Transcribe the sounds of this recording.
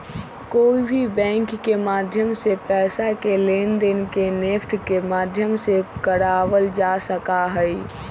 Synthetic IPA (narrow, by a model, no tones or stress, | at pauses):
koːibʱibɛ̃ːŋkːemaːd̪ʱjəmsepɛːsakelend̪ɪnkenepʰʈʰkemaːd̪ʱjəmsekəɾaːwəld͡ʒasəkaɦɛ